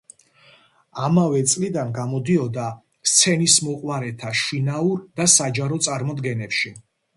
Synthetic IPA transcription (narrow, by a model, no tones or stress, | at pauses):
amavɛt̪sʼlid̪anɡamɔd̪iɔd̪a | st̪sʰɛnismɔqʼwaɾɛt̪ʰaʃinauɾd̪asad͡ʒaɾɔt̪sʼaɾmɔd̪ɡɛnɛpʃi